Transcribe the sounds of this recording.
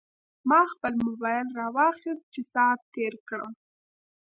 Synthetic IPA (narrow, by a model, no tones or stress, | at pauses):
mɑxpəlmʊbɑjlɾɑwɑxist̪̚t͡ʃesɑt̪̚t̪eɾkɽə̰w